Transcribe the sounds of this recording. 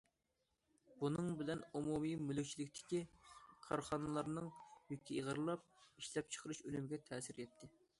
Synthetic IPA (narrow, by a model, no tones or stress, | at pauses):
b̥unɨŋbɪlɛnumumijmylykʲt͡ʃʰilɪkʲt̪ʰɪ̥kʲiqʰɑɾχɑnɨlˠɑɾnɨŋjykʲʰːiiʁəɾlˠɑp̚iʃlɛp̚t͡ʃʰə̥qʰəɾuʃølymɪɡʲɛt̪ʰɛːsɪɾjɛt̪ʰːɪ